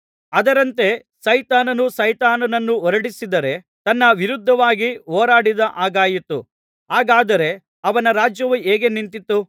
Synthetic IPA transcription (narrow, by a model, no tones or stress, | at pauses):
ɐd̪ɐɾɐnt̪e̞ | sɐjt̪aːnɐnusɐjt̪aːnɐnɐnːuɔɾɐɽisid̪ɐɾe̞ | t̪ɐnːɐʋiɾud̪ʱːɐʋaːɡiɦɔːɾaːɽid̪ɐʔaːɡaːjit̪ːu | ɦaːɡaːd̪ɐɾe̞ | ɐʋɐnɐɾaːd͡ʒjɐʋueːɡe̞nint̪it̪ːu